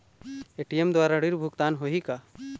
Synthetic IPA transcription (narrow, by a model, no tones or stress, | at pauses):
eʈijemd̪waːɾaɽiɾbʱukt̪aːnɦoɦika